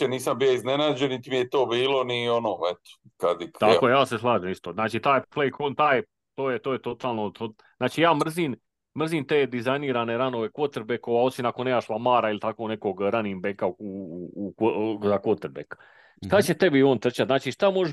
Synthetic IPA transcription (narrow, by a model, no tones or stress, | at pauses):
eniːsambijoiznenaːd͡ʒennit̪imijet̪oːbiːlo̞nionoːet̪o̥kad̪it̪akojejaːse̞slˠaːʒemist̪oːnaːt͡ʃiːt̪aːjplejkʰont̪aːje | t̪oːjet̪oːjet̪o̞t̪aːlˠnot̪o | z̥naːt͡ʃiːjaːmr̩ziːn | mr̩ziːnt̪eːd̪izajniːɾaːne̞ɾano̞ʋe̞kʋo̞t̪eɾbekoʋao̞t̪sinakonːeːmaʃlˠamaːɾailit̪akone̞koɡɾanimbekauuukozakot̪eɾbek | ʃt̪at͡ɕe̞t̪e̞bioːnt̪r̩t͡ʃat̪znaːt͡ʃiːʃt̪amoʒ